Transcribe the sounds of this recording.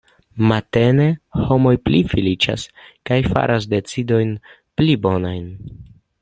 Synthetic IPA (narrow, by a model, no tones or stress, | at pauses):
mate̞ne̞ho̞mo̞jplifilit͡ʃa̰skajfa̰ɾʔas̬de̞t͡sido̞jn | plibo̞najn